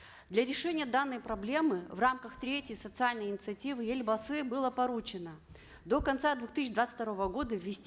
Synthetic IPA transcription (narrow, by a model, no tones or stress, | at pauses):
d̪lʲɐɾʲɪʂɛnʲɪjəd̪anːəjpɾɐblʲe̞mɨvramkəxt̪ɾʲetʲjəjsət̪sɨalʲnəjɪnʲɪt̪sɨɐtʲivɨjelʲbɐsɛbɨlˠəpɐɾut͡ɕɪnə | d̪o̞kɐnt̪sad̪vuxt̪ɨsʲɪd̪vat̪ɨ̥tʲt̪ɐɾo̞vəɡo̞d̪əvʲːɪsʲtʲ